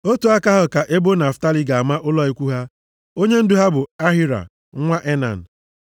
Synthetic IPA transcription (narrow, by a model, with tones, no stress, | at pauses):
o˦tu˨a˦ka˦ɦʊ˦ka˨ʔe˦bo˦na˨fta˦li˨ɡa˨a˨ma˦ʔʊ˦lɔ˦i˦kʷu˦ɦa˦ | o˦ɲe˦n̩˦dʊ˦ɦa˦bʊ˨a˦ɦi˦ɾa̰˨ | ŋ̩˦ŋʷa˦ʔe˦na̰˨n̩˨